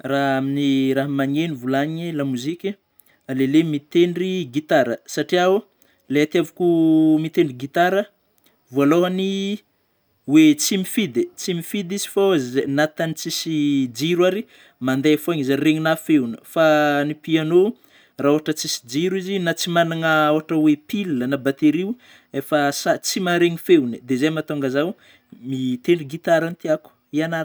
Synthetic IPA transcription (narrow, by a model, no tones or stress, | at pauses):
raɦaminiɾaɦmaɲenivulaɲilamuzikʲe | alelemit̪eɳɖ͡ʐiɡit̪aɾəsaʈ͡ʂiaw | leat̪iavukumit̪eɳɖ͡ʐiɡit̪aɾə | vualoɦani | wet͡simifid̪et͡simifid̪izi̥fazzenat̪anit͡sisid͡ʒiɾwaɾi | mand̪eafoaɲizareɲinafewnəfanipiano | raoɦaʈ͡ʂət͡sisi̥d͡ʒiɾizinat͡simanaŋəoɦaʈ͡ʂəwepilːənabat̪eɾiw | efəsat͡simaɾeɲifeunəd̪ezamat̪oŋɡəzaw | mit̪enuɡit̪aɾant̪iaku̥ianaɾ